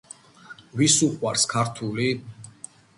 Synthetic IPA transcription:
visuqʼwaɾskʰaɾt̪ʰuli

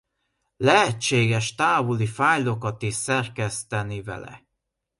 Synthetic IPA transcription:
lɛɦɛt͡ʃːeːɡɛʃt̪aːvulifaːjlo̞kɒt̪iʃsɛrkɛst̪ɛnivɛ̰lɛ̰

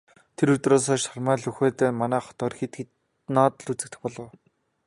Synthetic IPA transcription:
t̪ʰeɾɵt̪roːs̬ɔːʃarmæːɮɵxeːt̪eːmanæːχɔ̥t̪œːrxit̪ɡet | nɔːt̪ə̆ɮut͡sɘ̆k̚t̪ɘ̆xpɔɮɞ̆w

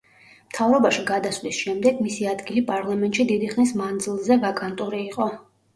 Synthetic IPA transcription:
mt̪ʰavɾɔbaʃiɡad̪asvlisʃɛmd̪ɛɡmisiad̪ɡilipʼaɾlˠamɛnt̪ʼʃid̪id̪iχnismand̪zilˠzɛvakʼant̪ʼuɾiːqʼɔ

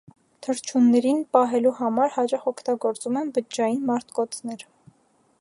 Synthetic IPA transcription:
t̪ʰəɾt͡ʃʰunːɛɾinpɑɦɛluhɑmɑɾhɑt͡ʃɑχɔkʰt̪ɑɡɔɾt͡sumɛnbəd͡ʒɑjinmɑɾt̪ʰkɔt͡sʰnɛɾ

